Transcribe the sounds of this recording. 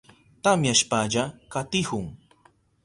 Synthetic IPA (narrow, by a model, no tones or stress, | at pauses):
t̪amjaʃpaʎakat̪ɪhʊŋ